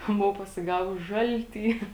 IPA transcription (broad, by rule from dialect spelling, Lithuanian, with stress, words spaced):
ˈbʊʋɐʊ pɐsʲɪˈɡɑːʋʊs ˈʒɐlʲˌtʲiː